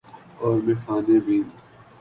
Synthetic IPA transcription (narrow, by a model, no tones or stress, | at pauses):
ɔːɾmẽːxaːnẽbĩː